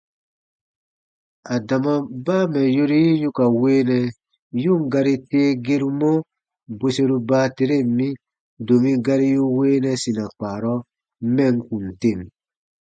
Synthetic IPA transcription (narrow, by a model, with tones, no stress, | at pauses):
a˨da˨ma˨baː˦mɛ˨jo˦ɾi˦ju˦ka˨weː˦nɛ˧ | ju˦˨ŋ̩˦ɡa˧ɾi˦teː˦ɡe˦ɾu˦mo˦ | be˦se˦ɾu˦baː˦te˧ɾe˦˨m˦mĩ˦ | do˨mĩ˦ɡa˦ɾi˦ju˦weː˦nɛ˧si˨na˨k͡paː˨ɾɔ˦ | mɛ˦˨ŋ̩˦ku˨n̩˨te˦˨m